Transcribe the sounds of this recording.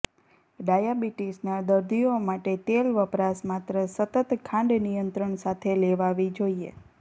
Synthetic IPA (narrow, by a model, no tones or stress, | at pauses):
ɖajabiʈisnad̪əɾd̪iomaʈet̪elʋəpɾasmat̪ɾəsət̪ət̪kʰãɳɖ̪nijənt̪ɾəɳsat̪ʰeleʋaʋid͡ʒoiḛ